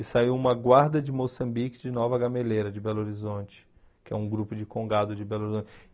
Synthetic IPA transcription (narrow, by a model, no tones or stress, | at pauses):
ɪsaiwũmɐɡwaɾd̪ɐd͡ʒɪmosɐ̃mbikɪd͡ʒɪnɔvɐɡɐmelejɾɐd͡ʒɪbɛloɾizõt͡ʃɪ̥ | kɪɛũɡɾupʊd͡ʒɪkõɡad̪ʊd͡ʒɪbɛloɾizõt͡ʃ